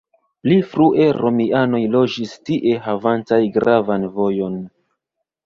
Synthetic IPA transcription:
plifɾuʔe̞ɾʔo̞miano̞jlo̞d͡ʒistiʔe̞ɦavantajɡɾavanvo̞jo̞n

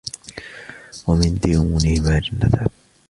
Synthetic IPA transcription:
wamɪnd̪iʔʊmuːnɪhɪmaːd͡ʒanːaθaː

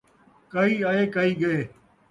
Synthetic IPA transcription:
kəiːaːeːkəiːɠəeː

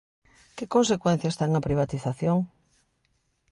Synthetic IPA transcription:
kekonsekwɛn̟θjast̪ɛŋɐpɾiβ̞at̪iθaθjoŋ

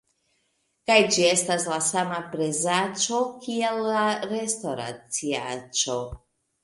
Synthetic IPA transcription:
kajd͡ʒie̞staslasamapɾezat͡ʃo̞kielːaɾe̞stoɾa̰t͡siat͡ʃo̞

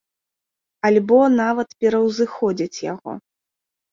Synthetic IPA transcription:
ɐlʲbɔnavɐt̪pʲɛɾɐwzɨxɔd͡zʲit͡sʲja̰ɣɔ̰

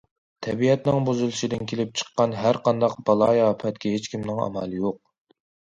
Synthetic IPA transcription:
t̪ʰɛbiɛt̪nɪŋbuzulˠɨʃid̪ɪnkʲʰelɪp̚t͡ʃʰə̥qːɑnɦæɾqʰɑnd̪ɑqbɑlˠɑːjɑːpʰɛt̪kʲɛɦet͡ʃkʲʰimnɪŋɑ̰mɑlˠɨjoq̚

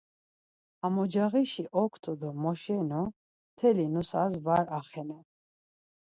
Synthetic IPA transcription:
amɔd͡ʒaʁiʃiʔɔkʰt̪ʰɔd̪ɔmɔʃɛnu | t̪ʰɛlinusazvaɾaχɛna

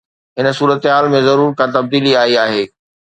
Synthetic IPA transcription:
ɦɪn̆suːɾət̪ɦaːlmẽzɐɾuːɾkãt̪ɐb̚d̪iːliaːiaːɦeː

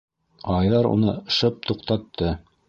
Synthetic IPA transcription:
ɑjðɑɾṵnɤʃɤp̚t̪uqt̪ɑt̪ʰːɤ

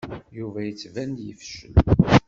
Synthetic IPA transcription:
juvæjət͡sːvænd̪jəfʃə̰n

